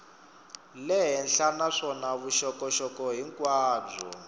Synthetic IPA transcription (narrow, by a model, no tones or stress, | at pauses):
lɛɦɛnɬanaʂɔnaβuʃɔkɔʃɔkɔɦiŋkʼwaːb͡ʐɔ̰